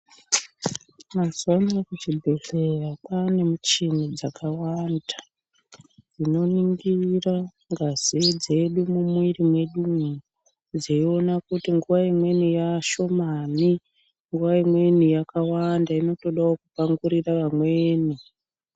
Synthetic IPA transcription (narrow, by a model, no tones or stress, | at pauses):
masondakut͡ʃibʱeɬerapane̞mut͡ʃinid͡zakawanda | ino̞niŋɡira | ŋɡaz̥id͡ze̞ɗumumwirimwe̞ɗumu | d͡zeio̞nakutiŋɡuʋaimwe̞nijaʃo̞mani | ŋɡuʋaimwe̞nijakawandaino̞to̞ɗaokupaŋɡuɾiraʋamweːni